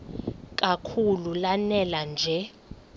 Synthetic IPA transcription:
k̬ʼakʰululanɛland͡ʒʱɛ

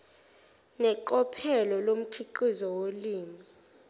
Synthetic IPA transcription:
nɛǃɔpʰɛlɔlom̩kʰiǃizɔwoliːmi

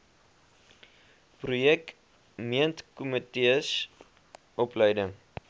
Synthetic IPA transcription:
prujɛk | miəntkɔmətes | ʔɔpləjdəŋ

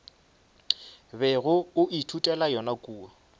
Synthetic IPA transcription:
bɛɣʊʊʔitʰutʼɛlajɔnakʼuːa

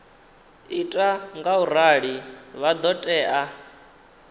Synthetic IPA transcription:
itʼaŋɡauɾaɺiβad̪ɔtʼɛːʔa

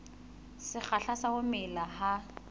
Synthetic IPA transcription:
sɪk͡xʰaɬasahʊmɪlaha

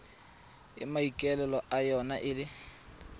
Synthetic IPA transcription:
ɪ̰maikʼɛlɛlɔʔajɔnaʔɪlɪ

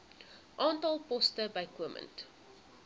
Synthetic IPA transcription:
ʔɑːntɑlˠpɔstəbɐjkuəmʔə̰nt

